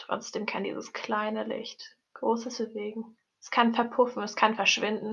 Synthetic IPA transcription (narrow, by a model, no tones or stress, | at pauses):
tʁ̥ɔ̰t͡sd̥eːmkʰandḭːzəskʰlaɪnəlɪ̰çt | ɡ̥ʁoːsəsb̥əveːɡŋ̩ | ɛskʰanfɛɐpʰʊfn̩ɛskʰanfɛɐʃv̥ɪndn̩